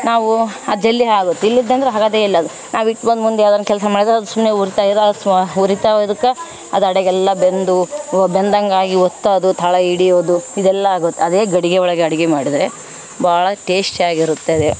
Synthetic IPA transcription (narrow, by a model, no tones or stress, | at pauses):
naːʋuɐd̪d͡ʒelːiɦaːɡot̪ːeilːid̪ːeɐnd̪ɐɾeɦaːɡaːd̪eːilːɐːd̪u | naːʋiʈːbɐnd̪mund̪eɐd̪ɐnːɐkɛlsɐmaːɽid̪ɾeɐd̪usumneuɾit̪aiɾɐsuɾit̪ad̪ukːɐ | ɐd̪ɐɽeɡɛlːɐbend̪ubɛnd̪ɐŋɡaːɡiɔt̪ːaːd̪ut̪ʰɐɭɐiɽioːd̪uid̪ɛlːɐaːɡot̪ːeɐd̪eːɡɐɽiɡeɔɭɐɡeɐɽiɡemaːɽid̪ɾe | baːɭɐʈeːsʈaːɡiɾut̪ːed̪e